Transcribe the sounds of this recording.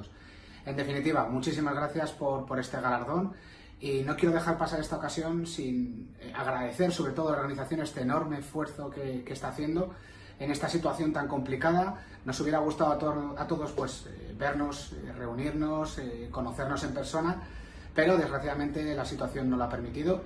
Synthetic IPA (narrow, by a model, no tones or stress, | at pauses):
s | e̞nd̪e̞finit̪iβamut͡ʃis̬imazɣɾaθjaspo̞ɾpo̞ɾe̞st̪e̞ɣalaɾðo̞n | ino̞kjeɾo̞ð̞e̞xaɾpasaɾe̞st̪ao̞kasjo̞nsin | a̰ɣ̞ɾaðe̞θe̞ɾso̞βɾe̞t̪o̞ð̞olaoɾɣaniθaθjo̞ne̞st̪e̞ːno̞ɾme̞ːsfwe̞ɾθo̞ke̞ke̞st̪aːθje̞nd̪o̞ | ene̞st̪asit̪waθjo̞nt̪aŋko̞mplikaða | no̞suβjeɾaɣ̞ust̪aðoat̪o̞ðo̞spwe̞sβe̞ɾno̞sere̞uniɾno̞seko̞no̞θe̞ɾno̞se̞mpe̞ɾso̞na | pe̞ɾo̞ðe̞zɣɾaθjaðamẽnt̪e̞lasit̪waθjo̞nːo̞loape̞ɾmit̪iðo